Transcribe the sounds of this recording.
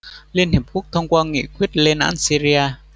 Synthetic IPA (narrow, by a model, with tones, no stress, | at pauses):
li˧ənhi˨˩p̚kʰu˦˥k̚t̪ʰə˧wŋ͡mkwaː˧ŋḭ˧˩kwi˦˥ət̚le˧nʔa̰ː˧˥nsi˧ɾi˧aː˧